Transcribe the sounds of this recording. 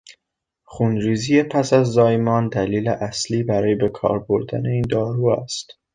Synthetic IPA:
xuːnɾiːzijepʰæsæzːɒːjmɒːnd̪æliːleʔæsliːbæɾɒːjebe̞kʰɒ̰ːɾboɾd̪æne̞iːnd̪ɒːɾuːæ̰st̪

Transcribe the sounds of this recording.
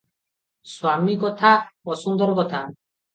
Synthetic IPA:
swamiɡɔt̪ʰabɔsund̪ɔɾɡɔt̪ʰan

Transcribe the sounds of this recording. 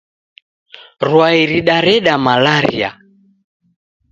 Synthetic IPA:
ɾwaiɾiɗaɾɛɗamalaɾḭa̰

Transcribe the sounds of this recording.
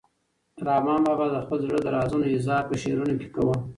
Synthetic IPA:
ɾɑmɑmɑbad̪əxpəlzɽəd̪əɾɑzənoɪzɑɾpəʃeɾunoke̥kawə

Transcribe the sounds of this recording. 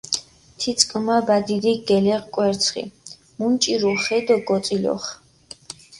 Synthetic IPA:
t̪ʰit̪sʼkʼmabad̪id̪iɡ̥ɛlɛʁkʼwɛɾt̪sʰχḭ | munt͡ʃʼiɾuχɛd̪ɔɡɔt̪sʼilɔ̰χ

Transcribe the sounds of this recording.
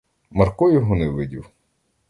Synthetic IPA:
mɐrkɔjɔɦɔnɪʋɪdʲiw

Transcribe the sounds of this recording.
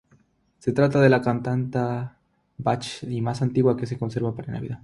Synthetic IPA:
se̞t̪ɾat̪̬aðe̞lakant̪ant̪a | bat͡ʃimasant̪iɣwake̞s̬e̞ko̞nse̞ɾβapaɾana̰βḭðað

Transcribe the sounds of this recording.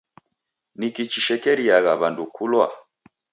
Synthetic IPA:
nikit͡ʃiʃɛkɛɾiaɣaβandukʰulwa̰

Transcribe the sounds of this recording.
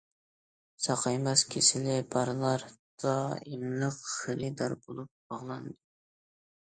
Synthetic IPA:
sɑqʰɑjmɛskʲʰesɪlɪbɑɾlˠɑɾd̪̥ɑimləqχelɨd̪ɑɾbolˠup̚bɑʁlˠɑnd̪ɨ

